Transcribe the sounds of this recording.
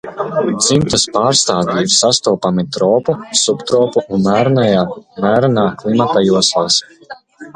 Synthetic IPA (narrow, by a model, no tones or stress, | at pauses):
d̪zimt̪aspaːɾst̪aːvʲiiɾsast̪uːpamit̪ɾɔːpusupt̪ɾɔːpuunmæːɾnajaːmæːɾnaːklˠimat̪ajuɔslˠaːs